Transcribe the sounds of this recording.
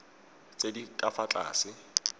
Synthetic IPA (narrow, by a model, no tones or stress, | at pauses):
t͡sʼedikʼafat͡ɬʼa̰ːsɪ